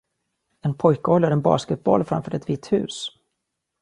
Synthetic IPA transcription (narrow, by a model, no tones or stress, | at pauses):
ɛnpʰɔjkəɔlːəɾɛnbɑ̰ːskɛt̪̚bɔlːfɾa̰mfœːɾɛt̪viːt̪hʉ̟̰ːs